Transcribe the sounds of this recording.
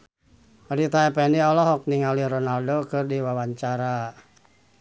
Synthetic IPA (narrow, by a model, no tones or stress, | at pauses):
ɾit̪aɛpɛndiɔlɔɦɔk̚niŋaliɾɔnaldokɨrdiwawaɲt͡ʃaɾa